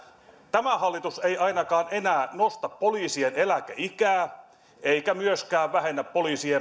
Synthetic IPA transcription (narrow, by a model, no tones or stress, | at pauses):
t̪æmæhɑlːit̪usejɑinɑkɑːnenæːnost̪ɑppoliːsienelækæʔikæː | eikæmyøskæːʋʋæɦenːæppoliːsie